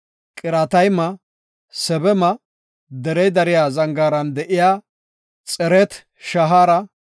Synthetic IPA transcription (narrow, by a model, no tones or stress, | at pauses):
kʼɪɾɐt̪ɐjmɐ | sɛbɛmɐ | d̪ɛɾɛjd̪ɐɾɪjaːzɐŋɡaːɾɐnd̪ɛʔɪjaː | t͡sʼɛɾɛt̪ | ʃɐɦaːɾɐ